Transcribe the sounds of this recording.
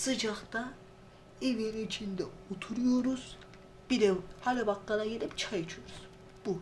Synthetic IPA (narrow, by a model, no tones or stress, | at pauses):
sɯd͡ʒaχt̪a | eveɾiːt͡ʃʰind̪ɛot̪ʰuɾujo̞ɾuz̥ | b̥iɾɛhalʲibakːalˠajeɾipt͡ʃʰajɯt͡ʃʰujoɾuz̥ | b̥u